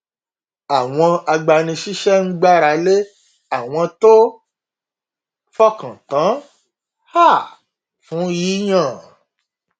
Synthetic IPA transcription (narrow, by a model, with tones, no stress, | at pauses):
a˨w̃ɔ̃˧a˧ɡ͡ba˧nĩ˧ʃi˦ʃɛ˦ŋ̩˦ɡ͡ba˦ɾa˧le˦ | a˨w̃ɔ̃˧to˦ | fɔ˦kã˨tã˨˦ | ha˦˨ | fũ˨˦ji˨˦j̃ã˦˨